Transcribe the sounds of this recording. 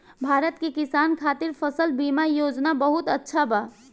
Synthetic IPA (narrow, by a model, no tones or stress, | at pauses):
bʱaɾət̪kekisankʰat̪iɾpʰəsəlbimajod͡ʒnabəɦut̪ətːʃʰaba